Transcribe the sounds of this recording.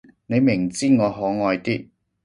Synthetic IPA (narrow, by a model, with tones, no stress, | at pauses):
ne˨˧jmɪ˨˩ŋt͡siː˥˩ŋɔː˨˧ɦɔː˨˥ŋɔː˧jt̪iː˥